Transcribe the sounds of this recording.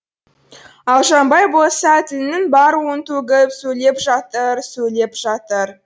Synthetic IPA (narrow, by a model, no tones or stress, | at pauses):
ɑlˠʒɑmbɑjbo̞lˠsɑt̪ɪlnɪŋbɑɾwont̪ʰɵɡʲɪpsɵjle̞pʒɑt̪əɾsɵjle̞pʒɑt̪əɾ